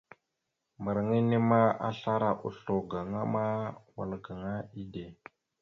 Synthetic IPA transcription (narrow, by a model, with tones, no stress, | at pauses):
mbə˨ɾŋi˦ne˦ma˦a̰˦ɬa˦ɾa˨ʔu˨ɬo˨ɡa˨ŋa˦ma˦wa̰˨lɡa˨ŋa˦i˦de˨